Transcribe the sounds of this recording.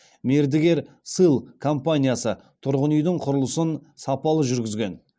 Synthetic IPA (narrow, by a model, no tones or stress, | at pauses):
me̞ɾd̪ɪɡʲe̞ɾ | sɨlˠkʰo̞mpanʲijasə | t̪ʰʊɾʁənəjd̪ɪɴqʰʊɾəlˠəsənsɑpɑlˠəʒʏɾɡʲɪzɡʲe̞n